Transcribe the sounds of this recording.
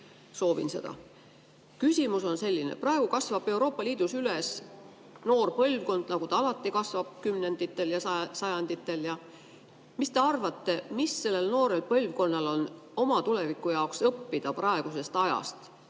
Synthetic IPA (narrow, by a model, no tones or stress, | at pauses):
so̞ːvḭnse̞d̪ɑ̰ | kysʲimuso̞nse̞lʲːinḛprɑe̞ɡ̥ukɑsvɑb̥e̞uwɾo̞ːpːˑɑliːd̪̥usyles | no̞ːrpɤlʲvko̞nd̪̥nɑɡ̥ut̪ɑɑlɑt̪ːˑikɑsvɑb̥̚kymne̞nd̪it̪ːˑe̞ljɑsɑsɑjɑnd̪̥it̪ːˑe̞ljɑ | mist̪e̞ɑrvɑt̪ːe̞misːe̞lːe̞lno̞ːɾe̞lpɤlʲvko̞nːɑlo̞no̞mɑt̪ule̞vikːˑujɑoksɤpːid̪̥ɑprɑe̞ɡ̥use̞st̪ɑjɑ̰st̪